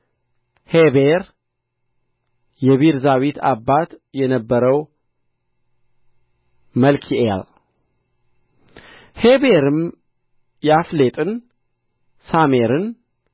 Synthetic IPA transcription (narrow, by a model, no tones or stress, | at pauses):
heβeɾ | jɛβiɾzawit̪ʰabːat̪jɛnəbːəɾəw | məlkʰiʔea̰l | hebeɾɨm | jɛaflet̪ʼɨn | same̞ɾɨn